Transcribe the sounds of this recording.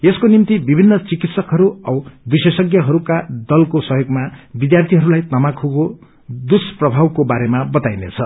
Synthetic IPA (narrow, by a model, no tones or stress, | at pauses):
eskonimt̪ibibʱinːʌt͡sikit̪sʌkɦʌɾuʌwbisesʌɡjʌɦʌɾukad̪ʌlkosʌɦjoɡmabid̪jart̪ʰiɦʌɾulajt̪ʌmakʰuɡo | d̪usprʌbʱawkobaɾemabʌt̪ajnḛt͡sʰʌ